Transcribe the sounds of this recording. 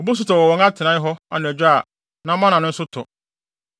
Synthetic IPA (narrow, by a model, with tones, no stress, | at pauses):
ɔ˨bu˦s̬ʊ˦tɔ˨wɔ˨wɔ̃˨ŋa˦tʰɪ˨nã˦ɪ˦ɦɔ˦a˨nʊ̃˨æ˨d͡ʑᶣa˦˨ | nã˨˦mã˦nã˨nʊ̃˦sʊ˦tʰɔ̰˨